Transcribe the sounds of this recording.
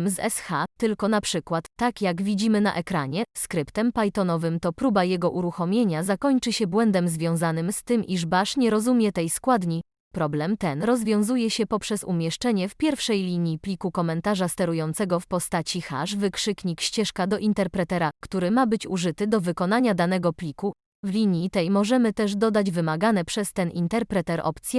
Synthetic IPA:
mzɛ̰sxat̪ɘlkɔnapʂɘkwat̪ːakjaɡvʲid͡ʑimɘna̰ʔɛkɾaɲɛskɾɘpt̪ɛmpajt̪ɔnɔvɘmt̪ɔpɾubajɛɡɔʔuɾuxɔmʲjeɲazakɔɲt͡ʂɘɕɛbwɛnd̪ɛmzvʲjɔ̃w̃zanɘmst̪ɘmʔḭʐbaʂɲɛɾɔzumʲjɛt̪ɛjskwad̪ɲi | pɾɔblɛmt̪ɛnɾɔzvʲjɔ̃w̃zujɛɕɛpɔpʂɛsṵmʲjɛʂt͡ʂɛɲɛfpʲjɛɾfʂɛjlʲiɲjiplʲikukɔmɛnt̪aʐast̪ɛɾujɔnt̪sɛɡɔfpɔst̪at͡ɕixa̰ʂvɘkʂɘkɲikɕt͡ɕɛʂkad̪ɔʔint̪ɛɾpɾɛt̪ɛɾakt̪uɾɘmabɘt͡ɕuʐɘt̪ɘd̪ɔvɘkɔn̪aɲad̪anɛɡɔplʲiku | vlʲiɲjit̪ɛjmɔʐɛmɘt̪ɛʐd̪ɔd̪ad͡ʑvɘmaɡanɛpʂɛst̪ɛnʔḭnt̪ɛɾpɾɛt̪ɛɾʔɔ̰pt̪sʲjɛ

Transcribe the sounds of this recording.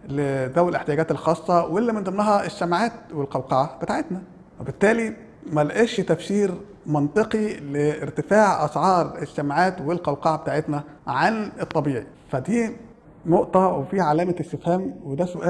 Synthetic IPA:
led̪æwelʔeħt̪ejæɡæːt̪elxɑːsˤːɑwelːæmend̪emnæɦæʔeʃːæmʕaːt̪̚welqɑwqɑʕab̥et̪aːʕet̪næ | webɪt̪ːæːli | mælʔeʃt̪æfʃiːɾ | mɑnt̪ˤeqileːɾt̪ɪfaːʕʔɑsʕɑːɾˤeʃːæmʕaːt̪welqɑwqɑʕabet̪aːʕet̪næʕanet̪ˤːɑbiːʕi | fæd̪iː | noʔt̪ˤɑwefiːʕalæːmæesːefhæːmwed̪æsʊʔæː

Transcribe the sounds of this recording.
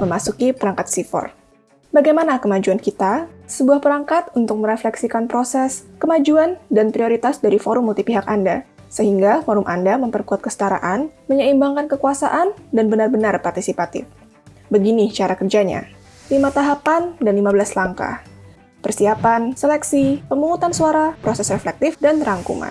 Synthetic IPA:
məmasukipəɾaŋkat̪̚sifɔ̰r | baɡajmanakəmad͡ʒuankit̪asəbuahpəɾaŋkat̪unt̪ʊk̚məɾeflɛksikanpɾosɛskəmad͡ʒuandanpɾioɾit̪asdaɾifoɾʊmːult̪ipiɦakanda | səɦiŋɡafoɾʊmʔa̰ndaməmpərkuat̪̚kəsə̥t̪aɾa̰ʔanməɲəimbaŋkankəkuasa̰ʔandanbənarbənarpart̪isipat̪ɪ̰f | bəɡinit͡ʃaɾakərd͡ʒaɲa̰ | limat̪aɦapandanlimabəlaslaŋka̰h | pərsiapanselɛksipəmuŋut̪ansuaɾapɾosɛsreflɛk̚t̪ɪfdanraŋkṵŋa̰n

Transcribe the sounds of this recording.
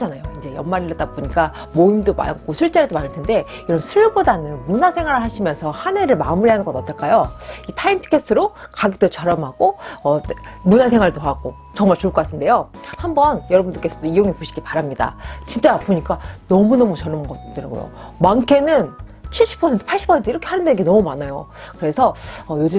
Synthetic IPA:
d͡ʑanajoind͡ʑe̞jʌnmaɾiɾet͈aɡbpoɲik͈a | moimdoma̰k͈osʰuɭt͡ɕ͈aɾidomanɯɭtʰe̞nde̞iɾʌnsʰuɭːubodanɯnmunasʰe̞ŋwaɾɯɭhaɕʰimjʌnsʰʌhane̞ɾɯɭmamuɾiɦanɯnɡʌnʌt͈ʌk͈ajoitʰaimpʰi̥kʰestʰɯɾokaɡet͈ot͡ɕʌɾʌmɦaɡ̥oʌmunas̬ʰe̞ŋɦwaɭdoɦaɡo̰ | t͡ɕʌŋmaɭt͡ɕoɭkʌk͈atʰɯnde̞jo | hambʌnjʌɾʌbunduk͈e̞sʰʌdoijoŋipoɕʰi̥ɡipaɾamɲida̰t͡ɕint͡ɕ͈apoɲik͈anʌmunʌmut͡ɕʌɾʌmɡʌt͈ɯɾaɡo̰jo̰mankʰe̞nɯnt͡ɕʰiɭɕ͈i̥pʰʌsʰentʰɯ̥pʰaɭɕ͈i̥pʰʌentʰɯiɾʌkʰehanɯndenɯŋɡe̞nʌmumanajokɯɾe̞sʰʌʌjod͡ʑɯ

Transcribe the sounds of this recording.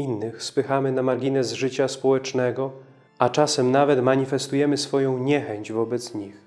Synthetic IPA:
inːɘxspɘxamɘnamaɾɡʲinɛzʐɘt͡ɕaspɔwɛt͡ʂnɛɡɔ | at͡ʂasɛmnavɛt̪maɲifɛst̪ujɛmɘsfɔjɔ̃w̃ɲɛxɛɲd͡ʑvɔbɛt̪sɲix

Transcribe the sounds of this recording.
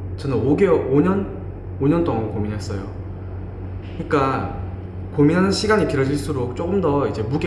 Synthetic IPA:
t͡ɕʌnɯnoɡeoɲʌn | oɲʌnt͈oŋankominɦe̞s͈ʌjo | ɲik͈a | kominɦanɯnɕʰiɡaɲikiɾʌd͡ʑiɭs͈uɾok̚t͡ɕ͈oɡɯmdʌid͡ʑe̞muɡe

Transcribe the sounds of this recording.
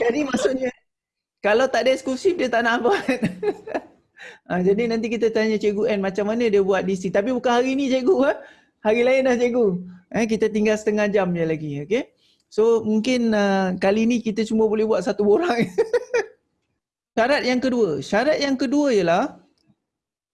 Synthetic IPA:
d͡ʒadimaʔsuʔɲə | kalawt̪aʔdaɛskusifdiət̪aʔnabat̪̚ | ad͡ʒadinãnt̪̬ikit̪ət̪aɲət͡ʃeɡuʔɛnmat͡ʃamːanə̃diəbuat̪̚disit̪ap̬ibukanɦaɾinit͡ʃeɡuah | haɾilaɪnlaht͡ʃeɡuʔək̬it̪ət̪iŋɡalsə̥t̪əŋad͡ʒamjəlaɡioke | somuŋkɪnəkalinikit̪ət͡ʃuməbolɛhbuat̪̚sat̪uboɾaŋ | ʃaɾat̪̚jaŋkəduəʃaɾat̪̚jaŋkəduəijəlah

